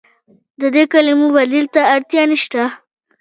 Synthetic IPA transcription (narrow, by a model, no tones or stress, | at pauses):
d̪əd̪ekalimuwalilt̪aːɾt̪jɑniʃt̪a